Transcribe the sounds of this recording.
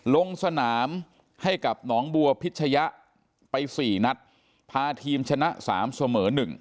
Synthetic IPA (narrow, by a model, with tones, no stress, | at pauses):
lo˧ŋsa˧naː˩˦m | ha˥˩jka˨˩p̚nɔː˩˦ŋbu˧ɐpʰi˦˥t̪̚t͡ɕʰa˧ja˦˥ʔ | pa˧jsiː˨˩na˧˥t̪̚ | pʰaː˧t̪ʰiː˧mt͡ɕʰa˧na˦˥ʔsa̰ː˩˦msa˧mɤː˩˦nɯ˨˩ŋ